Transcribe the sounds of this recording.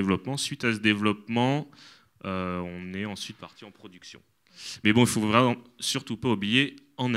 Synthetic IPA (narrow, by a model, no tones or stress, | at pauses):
vlɔpmɑ̃sɥit̪asəd̪evlɔpmɑ̃ | øɔ̃nɛɑ̃sɥit̪̚paʁt̪iɑ̃pχɔd̪yksjɔ̰̃ | mɛbɔ̃ilfovʁɛmɑ̃syʁt̪upaublije | ɑ̃n